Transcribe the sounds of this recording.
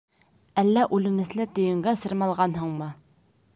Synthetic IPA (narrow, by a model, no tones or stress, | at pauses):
ælːæʔʉlɘ̆mɘ̆slɘt̪ɵ̆jɘ̆ŋɡæsɤ̆ɾmɑlˠʁɑnɦɤɴmɤ